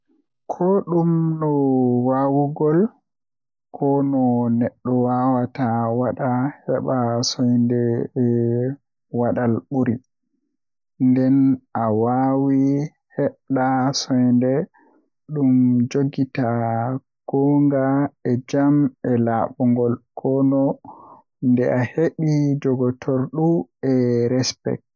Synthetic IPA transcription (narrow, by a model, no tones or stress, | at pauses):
kʰɔɗumnɔwawuɡɔl | kʰɔnɔnɛɗːɔwawatawaɗahɛɓasɔjndɛɛ | waɗalɓuɾi | ndɛnʔawawi | hɛɗasɔjndɛ | ɗumd͡ʒoɡita | ɡ̥ɔŋɡaɛd͡ʒamɛlaɓuŋɡɔlkʰɔnɔ | ndɛʔaheɓid͡ʒɔɡɔtʰɔɾɗuɛɾɛspɛ̰k̚